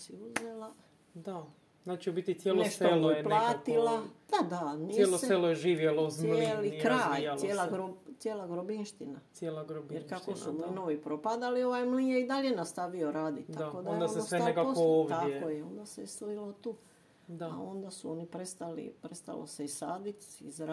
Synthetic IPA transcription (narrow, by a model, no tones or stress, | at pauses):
siuzela | d̪a | nat͡ʃiobit̪isjelnoesʃt̪oelplˠaːt̪ilˠad̪̥ad̪anijeloselojeʒiːʋjelozjelikɾaːjsjeːlaɡɾot̪jeːlaɡɾobinʃt̪inasjeːlˠaɡɾobjeɾkakosnumlinoʋipɾopad̪alio̞ʋajmlijeid̪aʎenast̪aʋioɾaːd̪iakod̪ajd̪onoseekaooʋt̪akojeo̞nd̪asest̪oilot̪uː | d̪aa̰o̞nd̪asuo̞nipɾest̪alḭpɾest̪a̰lo̰seisaːd̪it̪izɾ